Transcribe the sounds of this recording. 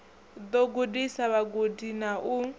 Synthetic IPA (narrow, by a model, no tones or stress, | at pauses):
d̪oɡudisaβaɡudinaʔu